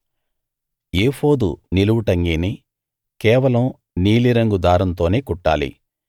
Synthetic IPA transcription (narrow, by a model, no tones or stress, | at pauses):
eːfo̞ːd̪ṵniluʋuʈɐŋɡiːni | kɛːʋɐlɐm | niːliɾɐŋɡud̪aːɾɐnt̪o̞ːneːkuʈːa̰ːlḭ